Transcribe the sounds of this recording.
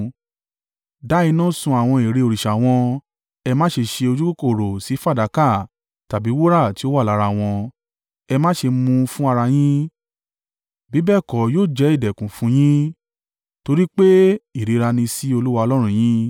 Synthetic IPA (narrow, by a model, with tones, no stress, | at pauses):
da˨˦i˧nãː˦˨sũ˧a˨w̃ɔ̃˧e˨ɾe˧o˨ɾi˨ʃa˨w̃ɔ̃˧ | ɛ˧mãː˦ʃe˧ʃe˧o˧d͡ʒu˦ko˦ko˦˨ɾo˨si˨˦fa˦˨da˨˦ka˦˨ | ta˨bi˨˦wo˦ɾa˦˨ti˦o˦wa˦˨a˨˦ɾa˧˨w̃ɔ̃˧ | ɛ˧mãː˦ʃe˧mũ˧fũ˦a˧ɾa˧j̃ĩ˦ | bi˨˦bɛ˦˨kɔ˨joː˦˨d͡ʒɛ˨˦i˦˨dɛ˨kũ˨fũ˨˦j̃ĩ˦ | to˧ɾi˦k͡pe˦i˦˨ɾe˨˧˦ɾa˧nĩ˧si˦o˧lu˦wa˧ɔ˧lɔ˦ɾ̃ũ˦˧˨j̃ĩ˦